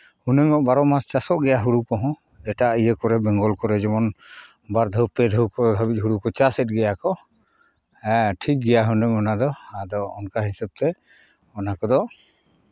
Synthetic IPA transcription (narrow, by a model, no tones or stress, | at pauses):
hunɛŋɔʔbaɾɔmast͡ʃasɔʔɡɛjaɦuɽukɔɦɔ̃ | ɛʈaijəkɔɾɛbɛŋɡɔlkɔɾɛd͡ʒɔmɔn | baɾd̪ʱɔpɛd̪ʱuwkɔɾɔd̪ʱabic̚ˀɦuɽukɔt͡ʃasɛt̚ˀɡɛjakɔ | ɛ̃ʈʰik̚ɡɛjaɦunɛŋɔnad̪ɔhad̪ɔɔnkaɦisab̚t̪ɛ | ɔnakɔd̪ɔ